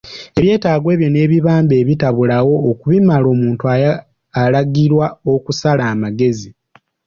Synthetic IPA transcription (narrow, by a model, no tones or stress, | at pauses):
e̞βje̞ːtaːɡwe̞ːβjo̞ne̞ːβiβaːmbe̞ːβitaβulawo̞ːkuβimalo̞ːmuːntuaː | laɡiɾwao̞kusalaːmaɡe̞zi